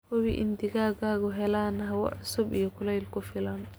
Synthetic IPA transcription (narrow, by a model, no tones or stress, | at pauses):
hʊβiʔɪ̰nd̪ɪɣaːɡaːɣʊɦɛlaːnɐɦɐwɐ̰ʕʊsʊbḭjɔkʰʊlɛjlkʰʊfɪlɐn